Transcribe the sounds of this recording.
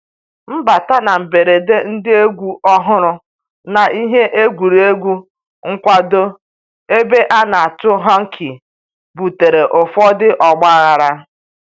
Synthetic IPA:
m̩˦ba˨ta˦na˨m̩˨be˨ɾe˨de˦n̩˦dɪ˦e˦ɡʷu˦ʔɔ˦ɦʊ˦ɾʊ˦ | na˨ʔi˦ɦe˦ʔe˦ɡʷu˨ɾi˨e˦ɡʷu˦ | ŋ̩˦kʷa˦do˦ | e˦be˦ʔa˦na˨a˨tʊ˦ɦa˦ŋ̩˦kʰi˨ | bu˨te˨ɾe˨ʔo˨fɔ˦dɪ˦ʔɔ˨ɡ͡ba˦ɣa˨ɾa˦

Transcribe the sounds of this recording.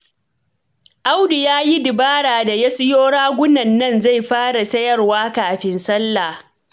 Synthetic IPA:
ʔa˦wdu˨jaː˦ji˦dɪ˨baː˦ɽaː˨da˨jɐ˦sɪ˦joː˦ɽaː˦ɡʷʊ˦nɐ˨nːɐ˦˨nza˦˨jɸaː˦ɽa˨sɐ˦jɐ˦˨rwaː˦kaː˨ɸɪ˦nsɐ˦lːa˨

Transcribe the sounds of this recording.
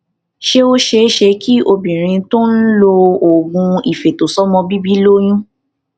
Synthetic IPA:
ʃe˧˦o˦ʃe˧˦ʃe˧ki˦o˧bĩ˨ɾ̃ĩ˧to˦n̩˦lo˧o˨ɡũ˧i˨fe˨to˨sɔ˦mɔ̃˧bi˦bi˦lo˦j̃ũ˦

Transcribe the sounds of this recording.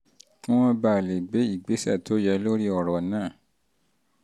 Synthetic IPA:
kũ˦wɔ̃˦ba˨le˨ɡ͡be˨˦i˨ɡ͡be˨˦sɛ̰˦˨tʰo˨˦jɛ˧˦lo˦ɾi˦ɔ˨ɾɔ˨nãː˦˨

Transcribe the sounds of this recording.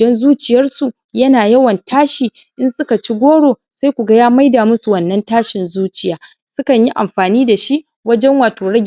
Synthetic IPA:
dɔ˦nzuː˦t͡ʃɪ˨jɐ˦rsu˨ | jɐ˦naː˨jɐ˦wɐ˨ntʰaː˦ʃiː˨ | ʔɪ˦nsʊ˦ka˨t͡ʃi˦ɡʷoː˦ɽoː˨ | sa˦jkʷu˨ɡa˦jaː˦ma˦jdaː˨mʊ˦su˨wɐ˨nːɐ˦ntaː˦ʃɪ˨nzuː˦t͡ʃɪ˨jaː˦ | sʊ˦kɐ˨ɲji˦ʔa̰˨mɸaː˨niː˦da˨ʃi˦ʔ | wɐ˦d͡ʒɛ˦ŋwaː˨toː˨ɽɐ˦ɡʲ

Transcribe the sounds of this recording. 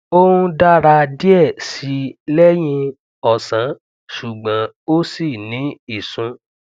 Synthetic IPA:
o˦hũ˧da˦ɾa˧di˦ɛ˦˨si˨˦lɛ˦j̃ĩ˧ | ɔ˨sã˨˦ | ʃu˨ɡ͡bã˨˦ | o˦si˦˨nĩ˨˦i˦˨sũ˨˧

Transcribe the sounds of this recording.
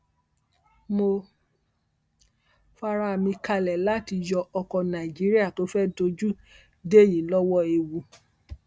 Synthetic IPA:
mo˧ | fa˧ɾa˦˨mĩ˧ka˧lɛ˨la˦ti˧jɔ˧ɔ˧kɔ˧nã˨i˨d͡ʒi˨˦ɾi˦a˦˨to˨˦fɛ˦do˧d͡ʒu˦ | de˦˨jĩ˨˦lɔ˦wɔ˦e˧wu˧

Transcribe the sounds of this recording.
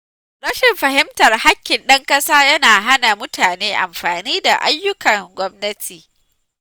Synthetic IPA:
ɾɐ˦ʃɪ˨mɸɐ˨ɦɪ˦mtɐ˨rha˦kʲːɪ˨nɗɐ˦ŋkɐ˦saː˦jɐ˦naː˨ɦa˦na˨mʊ˦tʰaː˨neː˦ʔa̰˨mɸaː˨niː˦da̰˨ʔa̰˦jːʊ˦kʰɐ˨ŋɡʷɔ˦mnɐ˦tʰiː˨

